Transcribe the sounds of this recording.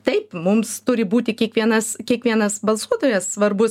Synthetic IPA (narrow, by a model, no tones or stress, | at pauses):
t̪ɐɪpmʊmst̪ʊɾʲɪbuːt̪ʲɪkʲiɛkʋʲiɛnɐskʲiɛkʋʲiɛnɐsbɐlˠsuɔt̪oːjɛssʋɐrbʊ